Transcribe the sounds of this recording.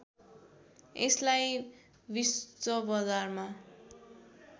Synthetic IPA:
eslaj | bist͡sʌbʌd͡zarma

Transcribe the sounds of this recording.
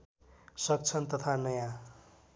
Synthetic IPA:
sʌk̚t͡sʰʌnt̪ʌt̪ʰanʌjã

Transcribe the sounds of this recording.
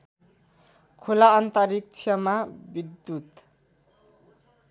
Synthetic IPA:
kʰolaːnt̪ʌɾik̚t͡sʰjʌmabid̪ːut̪

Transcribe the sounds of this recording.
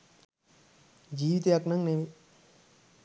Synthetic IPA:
d͡ʒiːʋit̪eɐknɐŋneʋi

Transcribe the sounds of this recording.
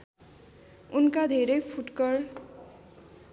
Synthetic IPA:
unkad̪ʱeɾʌjpʰuʈkʌr

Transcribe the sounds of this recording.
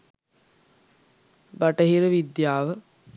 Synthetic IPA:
baʈəɦiɾəʋid̪jaːʋə

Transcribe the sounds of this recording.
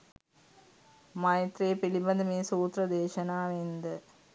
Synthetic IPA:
mɐjɐt̪reːpilibɐnd̪əmeːsuːt̪rɐd̪eːʃɐnaːʋend̪ə

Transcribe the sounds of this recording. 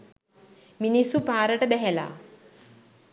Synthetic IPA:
minisupaːɾəʈəbɛɦɛla̰ː

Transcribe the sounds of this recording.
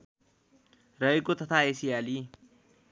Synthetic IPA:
ɾʌikot̪ət̪ʰaesiaːli

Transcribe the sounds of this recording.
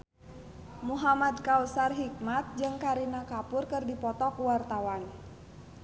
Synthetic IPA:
muɦamad̪̚kausarɦik̚mat̪̚d͡ʒɨŋkaɾinakapʊrkɨrdipɔt̪ɔkuwart̪awan

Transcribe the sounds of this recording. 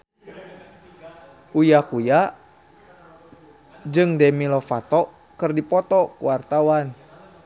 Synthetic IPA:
ʔujakuja | d͡ʒɨŋdɛmilɔfat̪ɔ | kɨrdipɔt̪ɔkṵwart̪awan

